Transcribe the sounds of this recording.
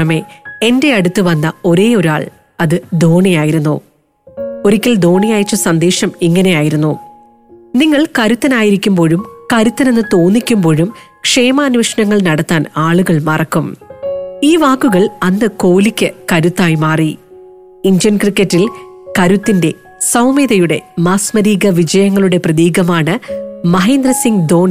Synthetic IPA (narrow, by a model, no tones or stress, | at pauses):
ɐme̞ende̞ɐɽut̪ːɨʋɐnːɐo̞ɾe̞ːo̞ɾaːɭ | ɐðɨd̪oːɳijaːjiɾunːṵ | oɾikʲːɐld̪o̞ːɳijaːjit͡ɕːɐsɐnd̪e̞ːʂɐmiŋːɐne̞jaːjiɾunːu | niŋːɐɭkɐɾut̪ːɐnaːjiɾikʲːumbo̞ːɻumkɐɾut̪ːɐne̞nːɨt̪o̞ːnːikʲːumbo̞ːɻum | kʂe̞ːmɐːnʋiʂɐnɐŋːɐɭnɐɽɐt̪ːaːnaːɭuɣɐɭmɐrɐkːum | iːʋaːkːuɣɐɭɐnːɨko̞ːlikʲːɨkɐɾut̪ːaːjmaːri | iɲd͡ʑjɐnkrikːɐtːil | kɐɾut̪ːinde̞ | sɐwmeːðɐjuɽe̞maːsmɐɾiːɣɐʋid͡ʑɐjɐŋːɐɭuɽe̞prɐðiːɣɐmaːɳɨmɐɦeːnd̪ɾɐsiŋɡd̪o̞ːɳi